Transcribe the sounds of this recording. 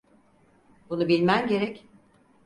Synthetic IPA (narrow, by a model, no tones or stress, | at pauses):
bunubilʲmæmɟe̞ɾɛc